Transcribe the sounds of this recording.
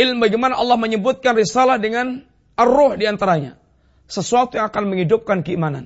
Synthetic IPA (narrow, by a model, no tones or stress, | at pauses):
ɪlmbaɡimanaʔɑlːahməɲəbʊt̪̚kanrisalahdəŋan | arɔhdiant̪aɾaɲa̰ | səsuat̪ujaŋakanməŋidʊp̚kankəimana̰n